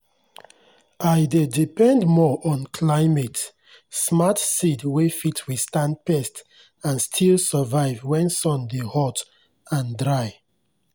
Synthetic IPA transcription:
aɪdedipɛ̃ndmɔʔɔ̃nkʰlaɪmet | smatsidwefitʰwistãndpɛst | ãnstʰilsəvaɪvwɛ̃nsɔ̃ndehɔt | ãndɹaɪ

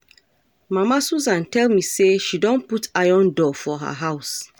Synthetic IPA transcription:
mamasuzãntɛlmiseʃidõnputʰajɔ̃ndɔfɔɦa̰ɦaʊs

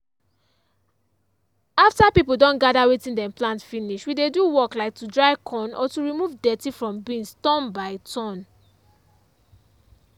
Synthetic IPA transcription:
aftapipl̩dɔ̃nɡadawetĩndɛ̃mplãntfiniʃwideduwɔklaɪk̚tudɹaɪkʰɔ̃nʔɔ̰tuɹimuvdɛtifɹɔ̃mbĩnstɔ̃nbaɪtʰɔ̃n

